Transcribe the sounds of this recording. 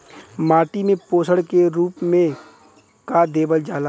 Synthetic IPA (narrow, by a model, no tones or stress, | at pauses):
maːʈimẽpoːsəɽkeɾuːpmẽ | kad̪eːbəld͡ʒaːla